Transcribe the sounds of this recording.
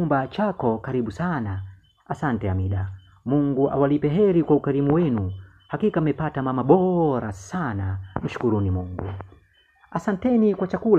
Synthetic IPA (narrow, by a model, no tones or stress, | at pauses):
umbat͡ʃakɔkaɾiɓusana | asantɛamiɗa | muŋɡuʔa̰walipɛɦɛɾikwaukaɾimuwɛnu | hakikamɛpatamamaɓɔɾasanam̩ʃu̥kuɾunimuŋɡṵ | asantɛnikwat͡ʃakul